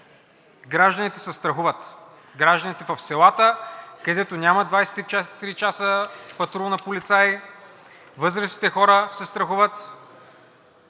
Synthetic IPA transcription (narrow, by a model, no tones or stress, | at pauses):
ɡɾaʒd̪ənit̪ɛ̥sɛst̪ɾɐxuvət̪ | ɡɾaʒd̪ənit̪ɛvɐfsɛlˠat̪əkɐd̪ɛt̪onʲamɐd̪vajsɛ̥t̪it͡ʃɛt̪ɾit͡ʃasəpɐt̪ɾunɐpolit̪saj | vɤzɾɐsi̥t̪ɛxɔɾəsɛst̪ɾɐxuvət̪